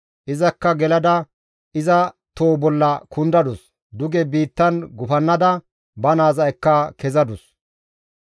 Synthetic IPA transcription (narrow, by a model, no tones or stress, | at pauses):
ʔɪzɐkːɐɡɛlɐd̪ɐ | ɪzɐ | t̪oːbɔlːɐkʊnd̪ɐd̪ʊs | d̪ʊɡɛbiːt̪ːɐnɡʊfɐnːɐd̪ɐ | bɐnaːzɐjkːɐkɛzɐd̪ʊs